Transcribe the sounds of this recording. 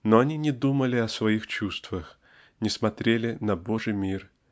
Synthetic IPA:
noɐnʲinʲɪd̪uməlʲɪɐsvɐixt͡ɕust̪vəx | nʲɪsmɐt̪ɾʲelʲɪnɐboʐɨjmʲir

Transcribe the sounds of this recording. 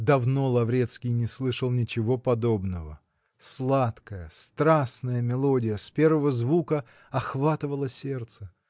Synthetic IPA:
d̪ɐvno̞lˠɐvɾʲet̪skʲɪjnʲɪslˠɨʂəlˠnʲɪt͡ɕɪvo̞pɐd̪o̞bnəvə̰ | slˠat̪kəjəst̪ɾasnəjəmʲɪlˠo̞dʲɪjəspʲe̞rvəvəzvukə | ɐxvat̪ɨvəlˠəsʲert̪sə

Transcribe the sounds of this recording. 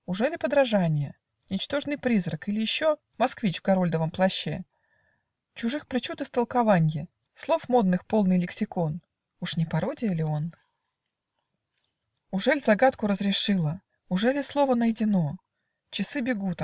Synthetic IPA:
ʊʐɛlʲɪpəd̪ɾɐʐanʲɪjə | nʲɪt͡ɕt̪o̞ʐnɨjpɾʲizrəkilʲɪjɪɕːo | mɐskvʲit͡ɕvɡɐɾo̞lʲd̪əvəmplˠɐɕːḛ | t͡ɕʊʐɨxpɾʲɪt͡ɕut̪ɨst̪əlˠkɐvanʲjɪ | slˠo̞fmo̞d̪̚nɨxpolˠnɨjlʲɪksʲɪkon | uʂnʲɪpɐɾo̞dʲɪjəlʲɪo̞n | ʊʐɛlʲzɐɡat̪kʊɾəzɾʲɪʂɨlˠə | ʊʐɛlʲɪslˠo̞vənəjɪdʲɪno̞ | t͡ɕɪsɨbʲɪɡut̪

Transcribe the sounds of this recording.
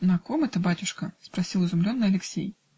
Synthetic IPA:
nɐkomɛt̪əbatʲʊʂkəspɾɐsʲilˠɨzʊmlʲonːɨjɐlʲɪksʲḛj

